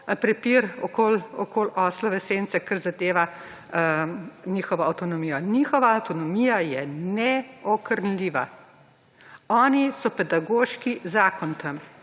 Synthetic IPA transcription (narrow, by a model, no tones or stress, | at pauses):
pɾɛpiːɾɔkolɔkoːlɔslɔʋɛsent̪sɛkaɾzad̪eːʋa | niːxɔʋɔɐwt̪ɔnɔmiːjɔnixɔʋaɐwt̪ɔnɔmijajɛnɛɔkəɾnliːʋa | ɔːnisɔpɛd̪aɡoːʃkizaːkɔnt̪əm